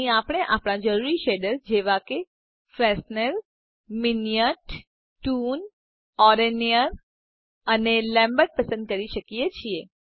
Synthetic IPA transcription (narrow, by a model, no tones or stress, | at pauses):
ĩapəɽ̃eʔapɽ̃ãd͡ʒəɾuɾiʃeɖəɾd͡ʒeʋake | fɾɛsnəɾ | minijəʈ | ʈun | ɔɾenijəɾ | ənelɛ̃mbəɾʈ̚pəsə̃nd̪̚kəɾiʃəkijet͡ʃʰie